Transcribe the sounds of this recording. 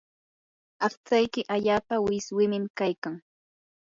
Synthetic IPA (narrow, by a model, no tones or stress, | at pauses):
ɑχt͡sajkɪʔaʎaːpawɪswɪmɪmkajkaŋ